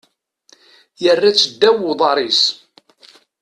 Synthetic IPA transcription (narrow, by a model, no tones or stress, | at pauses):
jərːæt͡sːəd̪ːæwʊðˤɑɾˤis